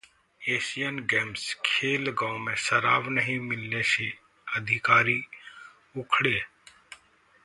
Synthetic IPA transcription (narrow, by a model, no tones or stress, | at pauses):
eːsijənɡɛːmskʰeːlɡãʊmẽsəɾaːʋnəɦĩmɪlnese | əd̪ʱɪkaːɾi | ʊkʰɽeː